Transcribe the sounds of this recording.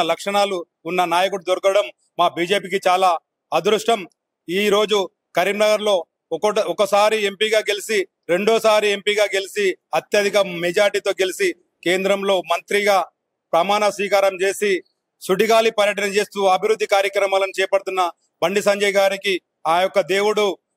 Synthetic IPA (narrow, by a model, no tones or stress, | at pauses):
lɐkʂɐɳaːluː | nːɐnaːjɐkuɽud̪oɾɐkɐɐɽɐmː | aːbiːd͡ʒe̞ːpiːkit͡ʃaːlaː | ɐd̪ɾuʂʈɐm | iːɾo̞ːd͡ʒu | kɐɾimnɐɡɐɾlo̞ː | ɔkɐɔkɐsaːɾie̞mpiːɡaːɡe̞lisi | ɾe̞ɳɖoːsaːɾie̞mpiːɡaːɡe̞lisiɐt̪jɐd̪ʱikɐmed͡ʒaːɾiʈit̪o̞ːɡe̞lisi | ke̞ːnd̪ɾɐmlo̞ːmɐnt̪ɾiɡaː | pɾɐmaːnɐsʋiːkaːɾɐmt͡ʃe̞ːsi | suɖiɡaːlipɐɾjɐʈɐnɐt͡ʃe̞ːst̪uːɐbʱiɾud̪ʱːikaːɾjɐkɾɐmaːlɐnit͡ʃɛːpɐɽut̪unːɐ | bɐɳɖis̬ɐɲd͡ʒɐjɡaːɾiki | aːjɔkːɐd̪e̞ːwuɽu